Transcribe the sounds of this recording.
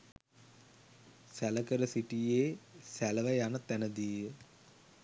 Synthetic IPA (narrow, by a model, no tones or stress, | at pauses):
sæləkəɾəsiʈijeːsæləʋəjanət̪ænəd̪iːjə